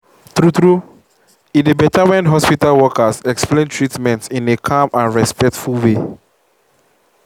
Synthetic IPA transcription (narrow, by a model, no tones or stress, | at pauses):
θɹutɹu | idebɛtʰawɛ̃nɦɔspitalwɔkasɛksplẽntʰɹitmɛ̃ntĩnekʰãmãnɹɛspɛk̚tfulwe